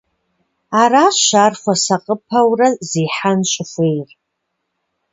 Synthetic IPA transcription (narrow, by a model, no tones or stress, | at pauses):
araːʃarχʷasaqʼəpʰɐwrɐzeːħanɕʷʼɪχʷejr